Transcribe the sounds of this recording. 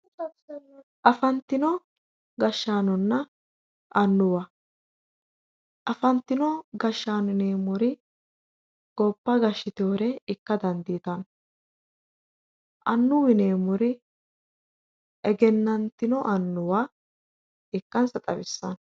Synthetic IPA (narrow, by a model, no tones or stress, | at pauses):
ʔɐfɐnt̪ːɪnɔ | ɡɐʃːaːnɔnːɐ | ʔɐnːʊwɐ | ʔɐfɐnt̪ːɪnɔɡɐʃːaːnɪneːmʊɾɪ | ɡ̥ɔpːɐɡɐʃːɪt̪ɪoːɾɛɪkːɐd̪ɐnd̪iːt̪ɐn | ʔɐnːʊwɪneːmʊɾɪ | ʔɛɡɛnːɐnt̪ɪnɔʔɐnːʊwa | ɪkːɐnsɐt̪ʼɐbɪsːɐn